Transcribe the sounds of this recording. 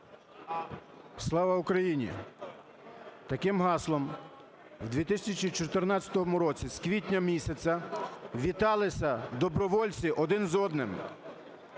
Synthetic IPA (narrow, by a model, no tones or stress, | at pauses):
slˠɑʋɐukɾɐjinʲḭ | t̪ɐkɪmɦɑslˠɔm | wd̪ʲʋʲit̪ɪsʲɐsʲɐt͡ʃit͡ʃɔt̪ernɑt͡sʲɐ̥t̪ɔɦɔmʊɾɔt͡sʲiskʋʲitʲnʲɐmʲisʲɐt͡sʲɐʋʲit̪ɑlˠɪsʲɐd̪ɔbɾɔʋɔlʲt͡sʲiʔɔd̪ɪnzɔd̪nɪm